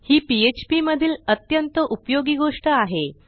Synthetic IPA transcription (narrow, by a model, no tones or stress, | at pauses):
hiːpiet͡ɕpiːməd̪ʱiːlət̪jənt̪əʔupjoɡiːɡoʂʈəaɦe